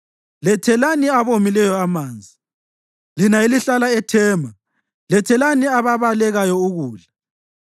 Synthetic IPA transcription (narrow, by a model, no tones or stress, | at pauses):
lɛtʰɛlaniaβomilɛjɔamaːnd͡zʱi | linailiɬalaɛtʰɛːmʱa | lɛtʰɛlaniaβaβalɛɣajɔuɣuːɮḁ